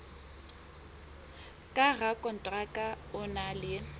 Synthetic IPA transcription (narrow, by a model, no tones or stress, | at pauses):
kʼaɣakʼɔn̩tʼrakʼa | ʊnalɪ